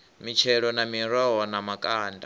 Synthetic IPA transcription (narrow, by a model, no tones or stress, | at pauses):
mit͡ʃʰɛɺɔnamiɾɔɦɔnamakʼaːnda